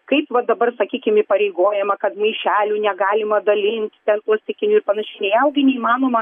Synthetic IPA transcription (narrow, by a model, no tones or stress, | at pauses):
kɐɪpʋɐd̪ɐbɐrsɐkʲiːkʲɪmipɐɾʲɛɪɡoːjɛmɐkɐt̪mɐɪʃʲæːlʲuːnʲɛɡɑːlʲɪmɐd̪ɐlʲɪnʲt̪ʲt̪ʲɛnt̪uɔsʲt̪ʲɪkʲɪnʲuːɪrpɐnɐʃʲɛɪnʲɛɪjɛʊɡʲɪnʲɛimɑːnoːmɐ